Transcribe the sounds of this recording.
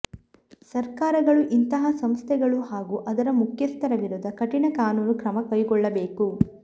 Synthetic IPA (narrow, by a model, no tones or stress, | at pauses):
sɐɾkaːɾɐɡɐɭuʔint̪ɐɦɐsɐmst̪ʰɛɡɐɭuhaːɡuʔɐd̪ɐɾɐmukʰjɐst̪ʰɐɾɐʋiɾud̪ɐkɐʈinɐkaːnuːnukɾɐmɐkɐjkɔɭːɐbeːku